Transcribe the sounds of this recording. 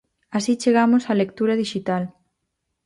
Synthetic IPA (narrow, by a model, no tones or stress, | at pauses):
asit͡ʃeɣamʊsalek̚t̪uɾɐðiʃit̪al